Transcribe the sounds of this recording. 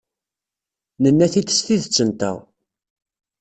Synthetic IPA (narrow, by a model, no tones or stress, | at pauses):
nənːæθit̪ːə̥st̪iðət͡sːənt̪æ̰ʁ